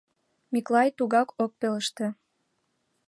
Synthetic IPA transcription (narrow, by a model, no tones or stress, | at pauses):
miklˠɑjt̪uɣɑkʰok̚peləʃt̪ĕ